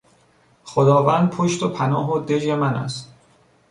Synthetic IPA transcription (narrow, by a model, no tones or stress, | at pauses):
xod̪ɒːvænd̪̚pʰoʃt̪opʰænɒːɦod̪ed͡ʒemænæ̰st̪